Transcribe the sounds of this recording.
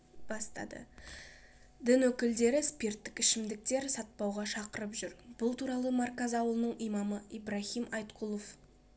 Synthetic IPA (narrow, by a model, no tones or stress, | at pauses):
b̥ɑst̪ɑ̰d̪ə̰ | d̪ɪnwɵkʲɪld̪e̞ɾɪspʲert̪ːɪkɪʃɪmd̪ɪk̚t̪e̞ɾsɑt̪̚pɑwʁɑʃɑqəɾəpʒʏɾb̥ʊlˠt̪ʰuɾɑlˠəmaɾkɑzɑwəlˠənəɴijmɑməibɾɑhimɑjt̪qʰulˠof